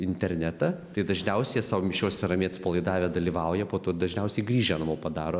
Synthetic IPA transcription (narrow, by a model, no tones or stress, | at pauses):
ɪnʲt̪ʲɛɾʲnʲæt̪ɑt̪ɐɪd̪ɐʒʲnʲɛʊsʲɛjɛsɑːʋomʲɪʃʲoːsʲɛɾɐmʲeːt̪spɐlˠɐɪd̪ɑːʋʲeːd̪ɐlʲiːʋɐʊjɛpoːt̪oːd̪ɐʒʲnʲɛʊsʲɛɪɡɾʲiːʒʲɛnɐmoːpɐd̪ɑːɾoː